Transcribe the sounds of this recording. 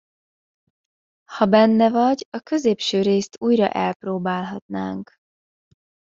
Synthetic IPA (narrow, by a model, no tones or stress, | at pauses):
hɒbɛnːɛvɒɟɒkø̞zeːpʃøːɾeːst̪uːjrɒ̰ʔɛlproːbaːlɦɒt̪na̰ːŋk